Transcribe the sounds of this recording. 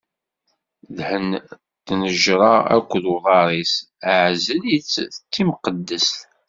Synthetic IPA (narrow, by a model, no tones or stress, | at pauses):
ðhən | t̪nəʒɾˤɑæ̰kʷːðwðˤɑɾˤis | əʕzələt͡sːət͡sːimqəd̪ːəsθ